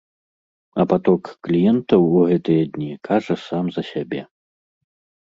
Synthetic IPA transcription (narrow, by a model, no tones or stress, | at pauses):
ɐpat̪ɔkːlʲijɛnt̪ɐwuɣɛt̪ɨjɐd̪ʲnʲikʰaʐɐsamzɐsʲabʲɛ